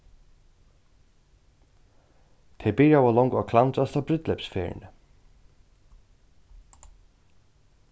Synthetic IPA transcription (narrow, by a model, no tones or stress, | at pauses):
t̪ʰɛbɪɾjawalɔŋkakʰlant̪ast̪abɾʏt̪lɛpsfɛːɹ̰nɪ